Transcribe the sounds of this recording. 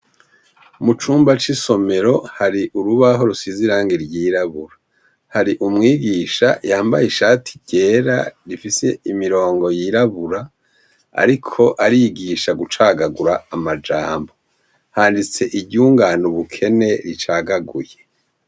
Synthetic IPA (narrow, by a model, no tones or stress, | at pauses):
mut͡ʃuːmbat͡ʃiso̞me̞ɾo̞haɾiʔuɾuβaɦo̞ɾusiziɾaːŋɡiɾɟiːɾaβuɾa | haɾiʔumŋiːɡiːʃa̰jaːmbajiʃaːtʰi̥ɟ̥e̞ːɾa̰ɾifise̞imiɾo̞ːŋɡo̞jiɾaβuɾa | a̰ɾikʰo̞ʔaɾiɡiʃaɡut͡ʃaːɡaɡuɾaːmad͡ʒaːmbo̞ | haːndit͡se̞ʔiɟuːŋɡaːnuβukʰe̞ne̞ɾit͡ʃaːɡaɡuje̞